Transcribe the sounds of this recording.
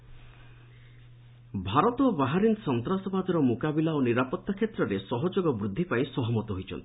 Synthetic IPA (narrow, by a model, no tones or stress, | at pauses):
bʱaɾɔt̪ɔbaɦaɾinsɔnt̪ɾasɔbad̪ɔɾɔmukabilaoniɾapɔt̪ːakʰjet̪ɾɔɾesɔɦɔd͡ʒoɡɔbɾud̪ʱːipaĩsɔɦɔmɔt̪ɔɦojt͡ʃʰɔ̰nt̪ʰi̥